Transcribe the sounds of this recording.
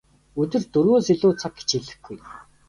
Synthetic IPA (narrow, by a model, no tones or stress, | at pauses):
ɵt̪ɘ̆rt̪ɵɾɣoːsiɮʊːt͡sʰak̚ɡe̥t͡ɕiɮɘ̆xɡuj